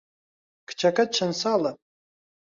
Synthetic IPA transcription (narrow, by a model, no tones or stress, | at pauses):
kʰt͡ʃʰakʼad̚t͡ʃʰansala